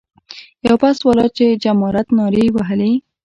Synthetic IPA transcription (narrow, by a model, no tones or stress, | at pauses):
jawpaswalɑt͡ʃed͡ʒamɑɾat̪nɑɾewaɦəle